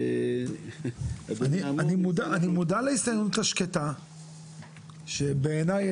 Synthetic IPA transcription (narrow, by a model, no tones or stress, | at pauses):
aninanimudaanimudaleisajontaʃketa | ʃebeːnaj